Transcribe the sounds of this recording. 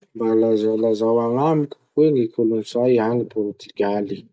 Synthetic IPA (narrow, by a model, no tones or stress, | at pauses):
mbalazalazawaŋamiku̥weŋikʰulunisajɦanipoɾt̪iɡali